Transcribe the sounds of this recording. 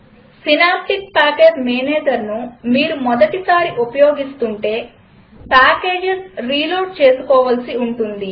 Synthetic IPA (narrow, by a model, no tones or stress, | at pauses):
sinaːp̚ʈik̚paːkeːd͡ʒmeːneːd͡ʒɐɾnumiːɾumɔd̪ɐʈisaːɾiʔupɐjo̞ːɡist̪uɳʈe̞ː | paːke̞ːd͡ʒesɾiːloːʈ̚t͡ʃe̞ːsu̥kɔːʋɐlsiuɳʈund̪i